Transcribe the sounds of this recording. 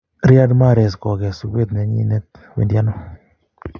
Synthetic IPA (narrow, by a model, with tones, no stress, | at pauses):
ɾja˦dma˦˨ɾe˨skɔ˨ɡɛ˨su˨ɡe˦t̪nɛ˨˦ɲḭ˦nɛ˦t̪ | wḛ˨ndja˦nɔ˦